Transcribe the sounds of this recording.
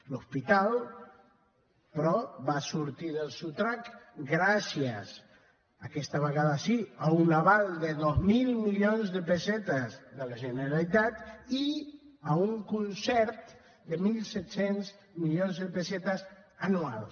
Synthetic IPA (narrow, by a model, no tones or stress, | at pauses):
luspit̪alˠ | pɾɔβasuɾt̪iðəlsut̪ɾakɡɾasjəz | akɛst̪aβaɣaðasiaunlaβald̪eðozmilmiʎonzðəpesɛt̪azðəlaʒeneɾalit̪at̪iauŋkunsɛɾt̪ | d̪emilˠsɛt̪senz | miʎonzðepesɛt̪azanuals